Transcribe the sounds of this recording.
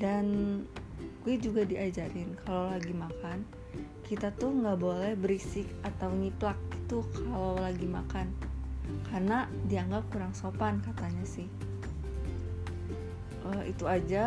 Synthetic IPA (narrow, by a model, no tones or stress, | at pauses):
dan | ɡ̥uɛd͡ʒuɡadiʔad͡ʒaɾɪnkʰalawlaɡimakan | kit̪at̪ʊhŋɡabolɛhbəɾisɪkat̪awɲiplak̚i̥t̪ukʰalawlaɡimakan | karnadiaŋɡap̚kuɾaŋsopankat̪aɲasɪh | ʔəḭt̪uad͡ʒa